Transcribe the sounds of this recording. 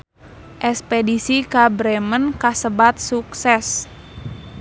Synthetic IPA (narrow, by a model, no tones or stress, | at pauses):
ʔɛspɛdisikabɾɛmənkasəbat̪̚suksɛs